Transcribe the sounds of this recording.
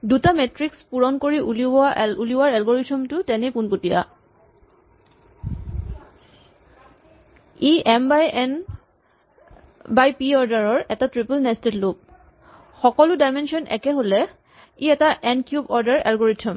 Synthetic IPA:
dutamɛtɹikspuɹɔnkoɹiʔulibɔauliwaɹɛlɡoɹitʰɔmtʊtɛnekunpotija̰ | iʔɛmbajɛn | bajpiɔɹdaɹɔɹɛtatɹipəlnɛstetlop̚ | xɔkɔlʊdajmensiɔnʔɛ̰kɛɦolɛ | iɛtaʔɛnkjubɔɹdaɹɛ̰lɡoɹitʰɔm

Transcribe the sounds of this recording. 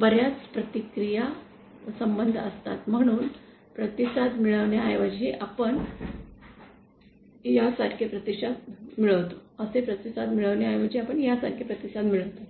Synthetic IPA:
bəɾjat͡spɾət̪ikɾija | ʋəsəmbənd̪ʱəst̪a̰t̪m̤əɽ̃uːn | pɾət̪isad̪miɭəʋɳjaːjʋad͡ʑiːʔapəɳ | jasaʈʰkʰepɾət̪isad̪miɭəʋt̪oəsepɾət̪isad̪miɭəʋɳjaːjʋad͡ʑiːapəɳjasaʈ̚kʰepɾət̪isad̪miɭəʋt̪o

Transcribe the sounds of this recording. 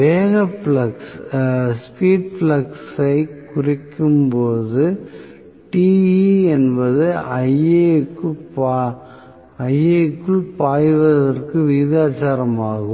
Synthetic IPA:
ʋeːɣɐpɭɐksspiːɖ̚flɐksɐɪkʊrɪkːɯmpoːðɯ | ʈiːiɛnbɐðɯɐɪeːkːɯp | ɐjekːɯɭpaːjʋɐðɐrkɯʋiːðaːt͡ʃːaːɾɐmaːɣɯ

